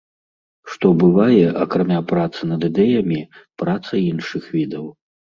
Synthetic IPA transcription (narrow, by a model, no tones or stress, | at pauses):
ʂt̪ɔbɨvajɛʔɐkɾamʲapɾat̪sɨnɐd̪ɨd̪ɛjɐmʲipɾat̪sɐinʂɨxvʲid̪ɐw